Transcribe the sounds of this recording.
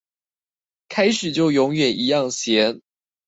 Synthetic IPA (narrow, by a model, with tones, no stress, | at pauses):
kʰa˥ɪʂɻ̩˨˩t͡ɕjo˥˩ʊjʊ˧˥ŋɥɛ˨˩nʔi˧˥jɑ˥˩ŋɕjɛ˧˥n